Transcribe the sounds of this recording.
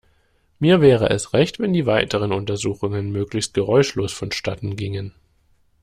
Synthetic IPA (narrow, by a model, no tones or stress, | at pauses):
miːɐvɛːʁ̞ə̰ʔɛ̰sʁɛçtv̥ɛndiːvaɪtəʁ̞ənʊntɐzuːxʊŋənmøːklɪçst̚ɡ̥əʁɔʏʃloːsfɔnʃtatn̩ɡɪŋən